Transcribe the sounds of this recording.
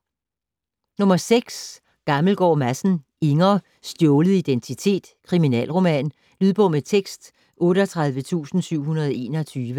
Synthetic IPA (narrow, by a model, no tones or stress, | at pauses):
nɔ̽mɐseɡ̥s | ɡ̥ɑ̈ml̩ɡ̥ɒ̰ːmæsn̩ | e̝ŋɐː | sd̥jɔːʊlð̩ˠid̥ent͡sʰit͡sʰe̝̰ːd̥kʰʁiminɛ̰ːlʁo̝mɛ̰ːn | lyð̞ˠb̥ɔ̽met͡sʰeɡ̥sd̥ | ʔɔ̽ːɾɒt͡sʰʁäð̞ˠʋət͡sʰṵːsn̩syʊ̰hunɐð̞ˠɒe̝̰ːnɐt͡sʰyːʋə